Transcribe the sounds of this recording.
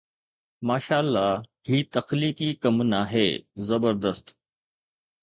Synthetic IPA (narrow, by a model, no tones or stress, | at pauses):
maːʃaːlːaːɦiːt̪ɐxliːkiːkɐmnaɦḛːzɐbəɾd̪əst̪